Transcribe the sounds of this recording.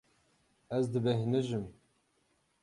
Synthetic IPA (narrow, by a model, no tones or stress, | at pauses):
æzd̪ɨbɛɦnɨʒɨm